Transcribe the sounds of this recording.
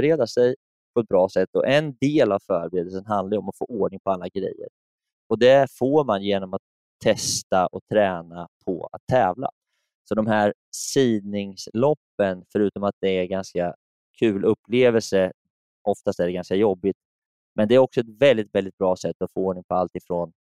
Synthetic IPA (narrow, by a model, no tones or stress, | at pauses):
ɾeːd̪asɛj | pʰɔɛt̪̚bɾɑːsɛt̪ːɔ̰ʔɛnd̪eːlavfœːɾbɾeːd̪əlsənɦand̪aɾɔmat̪fo̰ːʔoːɖɳɪŋpʰɔalːaɡɾɛ̰jːə̰ɾ | ɔd̪ɛfoːɾmanjeːnɔmat̪ʰː | ɛst̪aʔɔt̪ʰɾɛːnapʰɔ̰a̰t̪ʰːɛːvla̰ | sɔd̪ɔmɦæɾ | siːd̪nɪŋslɔpːənfœɾʉ̟ːt̪ɔmat̪̚d̪ɛæɾɡanska | kʰʉ̟ːlʔɵpːleːvɛlsə | ʔɔft̪ast̪æɖɛɡanskajɔbːɪt̪ | mɛnd̪ɛæːɾɔksɔɛt̪vɛld̪ɪt̪vɛld̪ɪt̪̚bɾɑːsɛt̪ːɔfoːoːɳɪŋpʰɔalt̪ɪfɾoːn